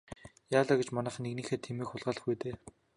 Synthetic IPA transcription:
jaːɮaːɡet͡ɕmanaːχneɣniːxeːt̪ʰemiːkxχʊɮʁaːɮə̆χɡujt̪eː

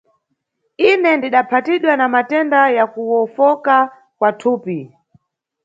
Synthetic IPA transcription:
inɛndiɗapʰatiɗwanamatɛndajakuwɔfɔka | kwatʰuːpi

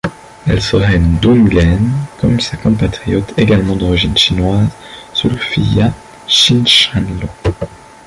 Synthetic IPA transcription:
ɛ̰lsəʁɛynd̪unɡɛnkɔmynsakɔ̃pat̪χijɔt̪ʰeɡalmɑ̃d̪ɔʁiʒinʃinwaz | sulfḭja | ʃinʃɛ̃nlo

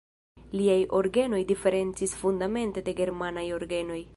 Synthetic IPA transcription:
liajʔo̞ɾɡe̞no̞jdife̞ɾe̞nt͡sisfundame̞nte̞de̞ɡe̞ɾmanajo̞ɾɡe̞no̞j

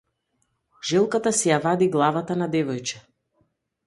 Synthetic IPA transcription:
ʒɛlˠkat̪asɛjavad̪iɡlˠavat̪anad̪ɛvɔjt͡ʃɛ

